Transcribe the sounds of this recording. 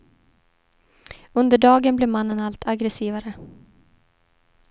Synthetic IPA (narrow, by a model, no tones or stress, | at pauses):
ɵnd̪əɖɑːɡənblɪːɾmanːənalt̪ʰaɡɾɛsiːvaɾə